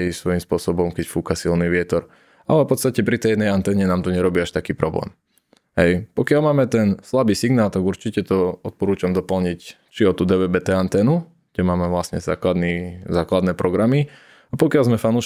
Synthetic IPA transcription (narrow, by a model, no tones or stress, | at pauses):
jsʋɔjimspʊɔsɔbɔmkɛcfuːkasilniʋɪɛt̪ɔɾ | a̰lɛpɔt̪st̪acɛpɾit̪ɛjɛd̪ɛjant̪ɛːɲɛnaːmt̪ɔɲɛɾɔbiːaʃt̪akiːpɾɔblɛ̰ːm | ɦɛjpɔkɪalmaːmɛt̪ɛnslabiːsiɡnaːlˠt̪aɡuɾt͡ʃicɛt̪ɔɔt̪̚pɔɾuːt͡ʃamd̪ɔpl̩ɲic | t͡ʃiɔt̪uːd̪ɛʋɛbɛt̪ɛant̪ɛːnu | ɡ̥ɟɛmaːmɛʋlasɲɛza̰ːklad̪nizaːklad̪nɛːpɾɔɡɾami | apɔkɪalzmɛfanuːʃ